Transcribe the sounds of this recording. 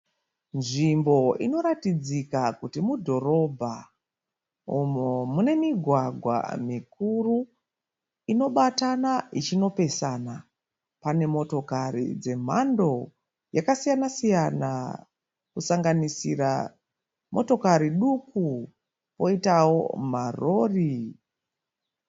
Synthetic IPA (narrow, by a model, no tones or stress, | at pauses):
nʐimbo̞ino̞ɾatid͡zikakutimudʱo̞ɾo̞bʱa | umomune̞miɡʱwaɡʱwa̰mik̚uru | ino̞ɓatanait͡ʃino̞pe̞sana | pane̞mo̞to̞kaɾḭd͡ze̞m̤ando̞ | jakasijanasijana̰ | kusaŋɡanisira̰ | mʔo̞to̞kaɾiɗuku | po̞itawo̞̰maro̞ːri